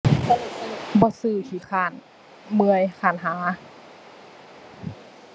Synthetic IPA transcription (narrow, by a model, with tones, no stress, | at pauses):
bɔː˧˦sɯː˧˩t̪ʰiː˧˩kʰaː˧˩n | mɯ˧əjkʰaː˧˩nɦaː˨˦